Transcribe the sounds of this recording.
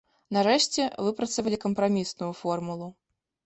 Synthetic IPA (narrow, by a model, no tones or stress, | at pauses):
naɾɛʂt͡sʲɛvɨpɾɐt̪sɐvɐlʲikɐmpɾamʲisnujufɔrmulˠu